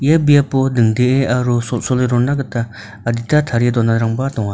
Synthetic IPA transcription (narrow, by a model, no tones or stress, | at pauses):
jebiapod̪ɯŋd̪eʔeʔaɾussoleɾɔnaɡɯt̪aː | d̪it̪at̪ʰaɾed̪ɔnːaɾaŋbat̪ɔŋa